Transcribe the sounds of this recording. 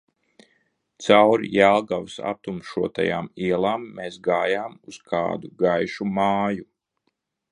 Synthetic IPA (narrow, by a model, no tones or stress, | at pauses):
t̪sawɾjalˠɡawsa̰t̪umʃuɔt̪a̰ja̰ːmiɛlˠaːmːesɡaːjaːmuz̥kʰa̰ːd̪uɡajʃumaːju